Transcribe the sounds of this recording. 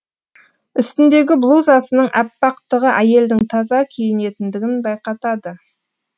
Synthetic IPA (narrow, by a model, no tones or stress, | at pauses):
ʏst̪ɪnd̪e̞ɡʲɪblˠuzɑsənəɴʔæpːɑqt̪əʁəʔæje̞ld̪ɪŋt̪ʰɑzɑkʲʰejɪne̞t̪ɪnd̪ɪɡʲɪnbɑjqɑt̪ɑd̪ə